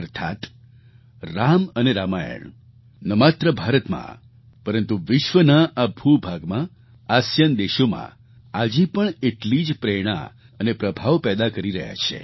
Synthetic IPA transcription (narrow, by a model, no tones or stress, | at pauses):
əɾt̪ʰa̰t̪ | ɾaməneɾamajə̰ɳ | nəmat̪ɾəbʱaɾət̪mã̰ | pəɾənt̪uʋɪʃʋənaʔabʱubʱaɡmã | asjənd̪eʃomã̰ | ad͡ʒipəɳeʈlid͡ʒpɾeɽ̃ã̰ | ənepɾəbʱaʋpɛd̪akəɾiɾə̰ɦja̰t͡ʃʰḛ